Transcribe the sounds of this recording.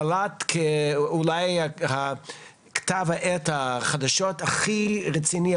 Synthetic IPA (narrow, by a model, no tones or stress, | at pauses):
lat̪kʰeulajaha | kt̪avaʔɛt̪haχad̪aʃot̪aχiʁet͡sini